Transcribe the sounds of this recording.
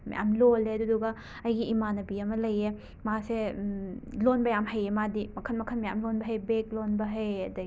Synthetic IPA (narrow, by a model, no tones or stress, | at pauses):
mɐ̰ja̰mloleɐduduɡɐ | ɐjɡiːmanɐbiɐmɐlɐje | mase | lonbɐjamɦɐjemadimɐkʰɐnmɐkʰɐnmɐjamlonbɐɦɐjbek̚lonbɐɦɐjɐ̰dɐi